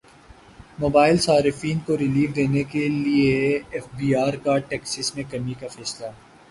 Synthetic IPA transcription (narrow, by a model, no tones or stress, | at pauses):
moːbaːɪlsaːɾɪfiːnkoɾɪliːʋd̪eːnekelieːfbiːaːɾkaʈɛːksəsmẽkɐmikafɛːsla